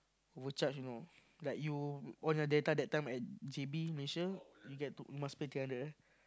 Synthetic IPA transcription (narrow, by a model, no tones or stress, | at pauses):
ɔvət͡ʃat͡ʃjuno | lajkjuɔ̃njɔdetadɛt̚tːãjmɛt̚d͡ʒebiməleʃəjuɡɛtuumãspetiãndəa